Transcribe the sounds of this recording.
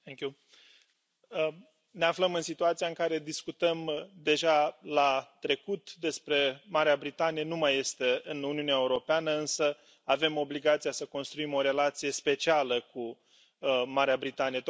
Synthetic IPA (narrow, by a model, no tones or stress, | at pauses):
ɛŋku | ne̞afləmɨnsit̪uat̪sijaɨŋkaɾe̞d̪iskut̪əmd̪e̞ʒalat̪ɾe̞kut̪d̪e̞spɾe̞maɾeabɾit̪anijenumajːe̞st̪e̞ɨnuniuneaeuɾo̞peanəɨnsə | ave̞mo̞bliɡat̪sijasəko̞nst̪ɾuimo̞ɾe̞lat̪sije̞spe̞t͡ʃialəku | maɾeabɾit̪anije